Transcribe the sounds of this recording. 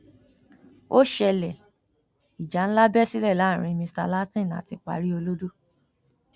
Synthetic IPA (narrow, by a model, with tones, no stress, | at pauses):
o˦ʃɛ˧lɛ˨ | i˨d͡ʒa˨˦ñ̩˦la˦bɛ˦si˦lɛ˦˨lã˨˦˨ɾ̃ĩ˧mĩ˧sta̰˧la˦tĩ˦˨na̰˨ti˧k͡pa̰˨˧ɾi˦o˧lo˦do˦